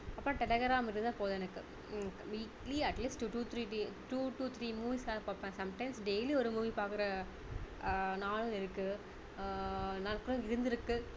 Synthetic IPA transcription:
ɐpːɾõːʈɛlɐɣɐɾaːmɪɾɯnd̪ãːpoːðɛnɐkːɯ | ʋiːkliɐʈliːsʈuʈuːt̪ʰɾiːʈiʈuːʈuːt̪ʰɾiːmuːʋisaːpaːpːãːsɐmʈɐɪmsɖejliɔɾɯmuːʋipaːɾkɯɾɐ | naːɭɯɪɾɯkːɯ | nɐnɐkːɯɽʊ̃ɪɾɯnd̪ɪɾɯkːɯ

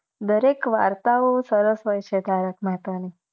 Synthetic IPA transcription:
d̪əɾekʋa̰ɾt̪aosəɾəsɦojt͡ʃʰed̪ʱaɾəkmat̪ani

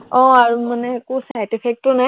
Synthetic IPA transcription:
ɔ̃aɹumanɛkusaj̃tipʰɛk̚tɔna

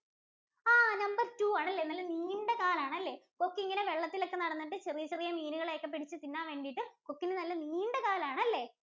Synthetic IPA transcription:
aːnɐmbɐrtuːaːɳɐlːenɐlːɐniːɳɖekaːlaːɳɐlːe̞kokːiŋːɐneʋeɭːɐt̪ːilo̞kːe̞nɐɽɐnːɐʈ̬ːɨt͡ɕerijɐt͡ɕerijɐmiːnuɣɐɭeːkːɐp̬ːeʈit͡ɕːɨt̪inːaːʋe̞ːɳɖiʈːɨkokːinɨnɐlːɐniːɳɖekaːlaːɳɐlːe̞ː

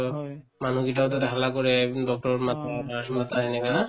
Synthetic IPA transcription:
manuɡitaʊtatɛɦalakɔɹɛdɔk̚tɔɹmataamat̪aɦɛnɛkana

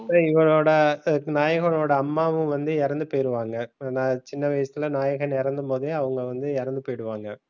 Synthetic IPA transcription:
sɐɪʋɐɭoːɽɐnaːjɐɣɐnoːɽɐːmːaːʋɯ̃ʋɐnd̪ɯɛɾɐnd̪ɯpoːjɪɾɯʋaːŋɡɐːnaːt͡ʃɪnːɐʋɐjsɐt̪ːɪlɐnaːjɐɣɐnɪɾɐnd̪ɯmpoːðɯɐʋɐŋɡɐʋɐnd̪ɯɛɾɐnd̪ɯpoːjɪɽɯʋaːŋɡɐ

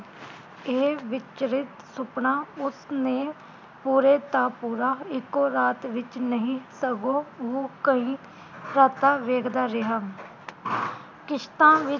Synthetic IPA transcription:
eːʋɪt͡ʃɾɪt̪sʊpnaːʊsnẽː | puːɾeːt̪aːpuːɾaːɪkoːɾaːt̪ʋɪt͡ʃnəɦĩsəɡoːʋoːkəɦĩ | ɾat̪aːʋeːɡd̪aːɾeɦa | kɪʃt̪ãːʋɪ

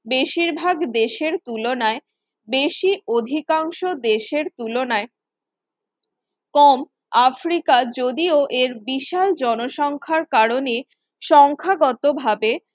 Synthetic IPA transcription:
beʃiɾbʱaɡd̪eʃeɾt̪ulonae | beʃiod̪ʱikaŋʃod̪eʃeɾt̪ulonae | kɔm | afɾikad͡ʑod̪ioʔeɾbiʃald͡ʑɔnoʃɔŋkʰaɾkaɾone | ʃɔŋkʰaɡɔt̪obʱabe

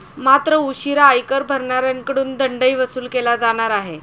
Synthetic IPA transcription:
mat̪ɾəuɕiɾaːjkəɾbʱəɾɳaɾjaŋkəɽuːnd̪əɳɖəiʋəsuːlkelad͡zaɽ̃aɾaɦe

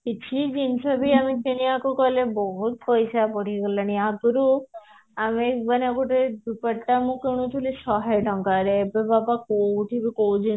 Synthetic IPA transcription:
kit͡ʃʰid͡ʒinsɔbʱiamitiniakokɔlebɔɦut̪̚pɔjsapɔɽikɔlañiakuɾu | amekbanakuʈed̪upəʈamũkeɽ̃ũt̪ʰulisɔɦajʈɔŋkaɾeebebabakowʈʰibʱikowd͡ʒin

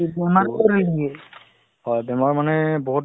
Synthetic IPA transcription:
bɛmaɹkɔɾojd̪iɛ | ɦɔjbɛmaɹmanɛboɦut̚

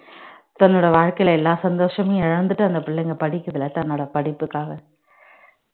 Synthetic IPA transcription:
t̪ɐnːoːɽɐʋaːɻkɐjɪlɛlːaːsɐnd̪oːʂɐmeːɪɻɐnd̪ɯʈːɯɐnd̪ɐpɪɭːɛŋɡɐpɐɽɪkʲːɐðɪlɐt̪ɐnːoːɽɐpɐɽɪpːɯkːaːɣɐ

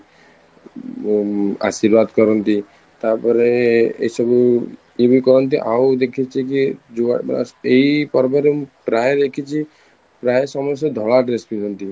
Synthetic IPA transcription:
a̰siɾbad̪kɔɾɔnt̪i | t̪aɾpɔɾeḛjsɔbu | ibikɔɾɔnt̪iʔawd̪ekʰit͡ʃʰik̬id͡ʒua̰ejpɔɾpɔɾepɾaed̪ekʰit͡ʃʰi | pɾaesɔmɔst̪ɔd̪ʱɔɭaɖɾesbilɔnt̪i

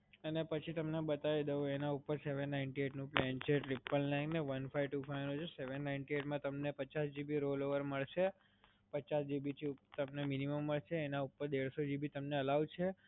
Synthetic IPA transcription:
ənepət͡ʃʰit̪əmnebət̪aʋid̪əoenaupəɾseʋənːaɪiɳʈieʈnũplɛnt͡ʃʰeʈɾipːəlnãŋneʋənfʰaijʋʈufʰajnũt͡ʃʰeseʋənːaɪnʈieʈmãt̪əmnepət͡ʃasd͡ʒibiɾoloʋəɾməɭʃe | pət͡ʃasd͡ʒibit̪ʰiut̪əmneminiməmːəɭʃeːnaupəɾd̪eɭsod͡ʒibit̪əmneəlaʋt͡ʃʰe

